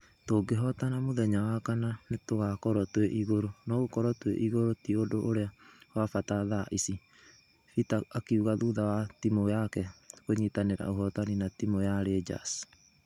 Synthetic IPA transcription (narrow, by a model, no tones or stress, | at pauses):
toɡeɦɔtanamoðɛɲawakananetoɣakɔɾɔtweʔiɣoɾonɔɣokɔɾɔtwḛʔiɣoɾotiodoʔoɾeawafataðaʔisi | fitaːkeuɣaðuðawatimojakɛkoɲiːtaneɾa̰oɦɔtaninatimojaɾed͡ʒa̰s